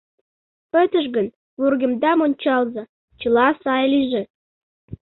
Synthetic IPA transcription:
pət̪əʃ̬ɣən | βurɡə̆md̪ɑmonʲt͡ɕɑlzɑ | t͡ɕə̆lɑsɑjliʒĕ

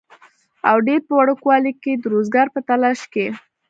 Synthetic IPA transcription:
awɖeɾpəwaɽəkwɑliked̪əɾozɡɑɾpət̪alɑʃke

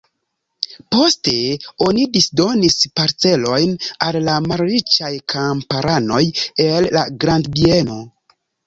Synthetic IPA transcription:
po̞ste̞o̞nidisdo̞nispaɾt͡se̞lo̞jnalːamalɾit͡ʃajkʰampaɾano̞jelːaɡɾandbieno̞

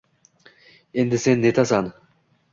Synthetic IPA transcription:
end̪ɪsenːet̪ʰɑsɑn

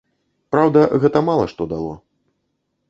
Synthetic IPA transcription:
pɾawd̪ɐɣɛt̪ɐmalˠɐ̰ʂt̪ɔd̪alˠɔ̰

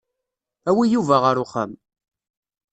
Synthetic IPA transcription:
æwijuvæʁəɾʊχə̰m

